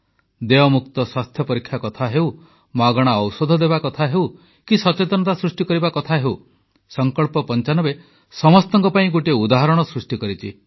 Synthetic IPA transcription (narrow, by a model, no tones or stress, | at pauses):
d̪eɔmuk̚t̪ɔswast̪ʰjɔpɔɾikʰjakɔt̪ʰaɦeuw | maɡɔɽ̃aɔwsod̪ʱɔd̪ebakɔt̪ʰaɦew | kisɔt͡ʃet̪ɔnɔt̪asɾusʈikɔɾibakɔt̪ʰaɦew | sɔŋkɔɭpɔpɔnt͡ʃanɔbe | sɔmɔst̪ɔŋkɔpaĩɡoʈiud̪aɦɔɾɔɽ̃ɔsɾusʈikɔɾit͡ʃʰi